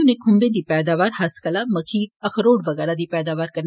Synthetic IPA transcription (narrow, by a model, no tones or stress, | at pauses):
ʊnẽːkʰʊmbẽd̪iːpɛːd̪aːʋaːɾhɐskəlãmɐkʰiːɐxʰɾoːɽʋɐɣɛːɾad̪iːpɛːd̪aːʋaːɾkɐɾ